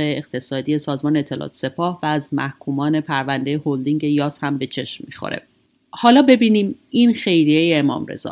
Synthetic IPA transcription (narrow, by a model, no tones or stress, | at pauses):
eeqt̪ʰe̞sɒːd̪ije̞sɒːzmɒːneet̪ʰːe̞lʔɒ̰ːt̪ʰse̞pʰɒːhvæːzmæhkʰuːmɒːne̞pʰæɾvænd̪e̞jehold̪iŋɟe̞jɒːshæmbe̞t͡ʃʰe̞ʃmmixo̰ɾe̞̰ | hɒːlɒːbe̞biːniːminxe̞jɾijejeːmɒ̰ːmɾḛz̥ɒ̰ː